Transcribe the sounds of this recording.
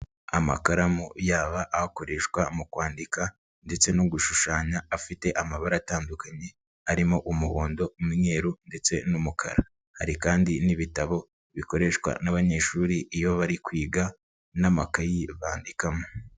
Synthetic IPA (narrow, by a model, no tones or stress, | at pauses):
ama̰kaɾamojaːβaʔːhako̞ɾe̞ʃkwamukwaːndika | nde̞t͡se̞nuɡuʃuʃaːɲaːfite̞ʔamaβaɾataːndukaɲe̞ | aɾimo̞ʔumuβoːndo̞miɲe̞ɾunde̞t͡senumukʰa̰ɾa | ha̰ɾikaːndiniβitaβo̞ | βiko̞ɾe̞ʃkwa̰naβaɲe̞ʃuːɾiʔːjo̞βaɾikwiːɡa | namakajiβaːndikamo